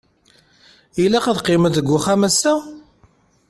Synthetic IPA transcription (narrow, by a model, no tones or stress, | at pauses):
ilæqəðqːɪməðəɡʷːʊχæmæsːæ